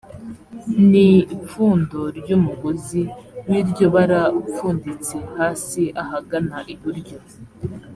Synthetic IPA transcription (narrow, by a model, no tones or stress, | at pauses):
nip͡ffuːndo̞ɾɟumuɡoziwiɾɟo̞βaɾafuːndit͡se̞haːsiʔahaɡanaʔiβuɾɟo